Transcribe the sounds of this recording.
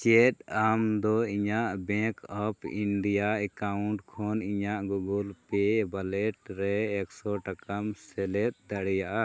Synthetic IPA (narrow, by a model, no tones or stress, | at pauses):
t͡ʃɛt̚amd̪ɔiɲaʔbɛ̃kɔpḭnɖijaɛkauɳʈkʰɔniɲaʔɡuɡulpɛbalɛʈɾɛːksɔʈakamsɛlɛt̪̚d̪aɽɛjaʔa